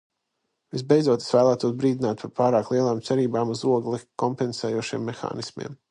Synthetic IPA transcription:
vizbejd̪zuɔt̪isvæːlˠæːt̪uɔs̬bɾiːd̪inaːt̪̚paɾpaːɾaːklˠiɛlˠaːmt̪sɛɾiːbaːmuzuɔɡlˠikɔmpɛnsɛːjuɔʃiɛmːexa̰ːnismḭm

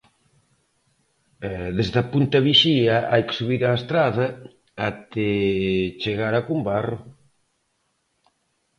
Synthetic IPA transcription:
ɛðezðapunt̪aβiʃiɐajkɪ̥suβiɾaest̪ɾaðɐ | at̪ɪt͡ʃeɣaɾakumbaro

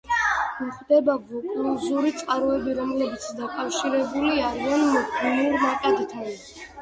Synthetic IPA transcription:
muχd̪ɛbavɔkʼulɔzuɾit̪sʼqʼaɾɔɛbiɾɔmlɛbit̪sʰd̪akʼafʃiɾɛbuliaɾianmɔkɔniuɾmaqʼad̪t̪ʰan

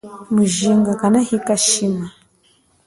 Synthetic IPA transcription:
muʒiːŋɡakanahikaʃima

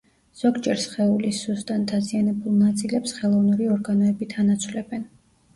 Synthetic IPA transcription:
z̥ɔɡd͡ʒɛɾsχɛulisust̪ʼant̪ʰazianɛbulˠnat̪sʼilɛpsχɛlˠɔvnuɾiɔɾɡanɔɛbit̪ʰanat̪sʰvlɛbɛn

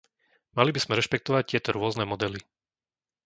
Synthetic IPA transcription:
malibiz̥mɛɾɛʃpɛk̚t̪ɔʋac̚t̪ɪɛt̪ɔɾʊɔznɛːmɔd̪ɛli

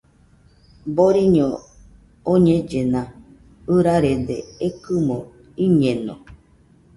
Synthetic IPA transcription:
boɾiɲõ | oɲẽd͡ʒenã | ɨɾaɾed̪eekɨmõ | iɲẽnõ̰

